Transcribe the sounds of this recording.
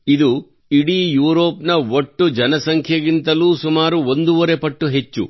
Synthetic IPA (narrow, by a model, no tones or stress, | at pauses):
id̪u | iɽiːjuːɾoːpnɐʋoʈːud͡ʒɐnɐsɐŋkʰjɐɡint̪ɐluːsumaːɾuond̪uʋɐɾepɐʈːuɦe̞t͡ʃːṵ